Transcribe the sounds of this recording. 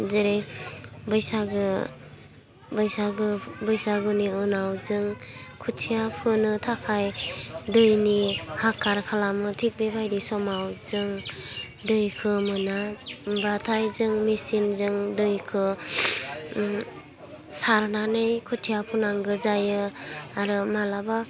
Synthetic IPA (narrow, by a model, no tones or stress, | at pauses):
zeɾebɯjsaɡɯ | bɯjsaɡɯbɯjsaɡuniɯnawzɯŋkʰutʰijapʰɯnɯtʰakʰajdɯjnihakʰːaɾkʰalamɯtʰik̚bebajdisɔmawzɯŋ | dɯjkʰɯmɯnambatʰajzɯŋmisinzɯŋdɯjkʰɯ | saɾnanɯjkʰutʰijapʰunaŋɡɯzajɯaɾɯmalaba